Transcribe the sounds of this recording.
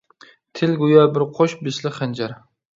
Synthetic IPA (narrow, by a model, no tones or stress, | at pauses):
t̪ʰɪlɡʊjabɪɾqʰoʃbɪslɪχand͡ʒaɾ